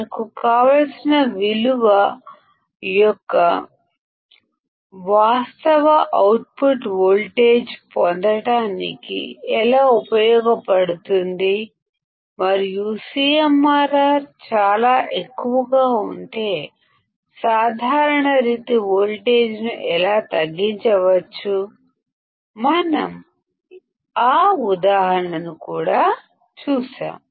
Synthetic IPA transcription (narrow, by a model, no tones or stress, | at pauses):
nɐkukaːʋɐlsinɐʋiluʋɐ | jɔkːɐ | ʋaːst̪ɐʋɐʔɐwʈ̚puʈʋoːlʈe̞ːd͡ʒpɔnd̪ɐɽaːnḭkḭɛlaːupɐjɔːɡɐpɐɽut̪und̪i | mɐɾiusijɐmːaːɾaːt͡ʃaːlaːʔekːuʋɐɡaːuɳʈe̞ː | saːd̪ʱaːɾɐɳɐɾiːt̪iʋoːlʈe̞ːd͡ʒnuʔɛlaːt̪ɐɡːiɲt͡ʃɐʋɐt͡ʃːu | mɐnɐ̰m | aːud̪aːɦɐɳɐnukuːɽaː | t͡ʃuːʃa̰ːm